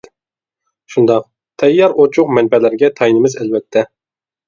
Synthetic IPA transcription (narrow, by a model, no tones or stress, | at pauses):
ʃund̪ɑq̚ | t̪ʰɛjːɑɾot͡ʃʰʊqmɛnbɛlæɾɡʲɛt̪ʰɑjnɪmɪzælvɛt̪ʰːɛ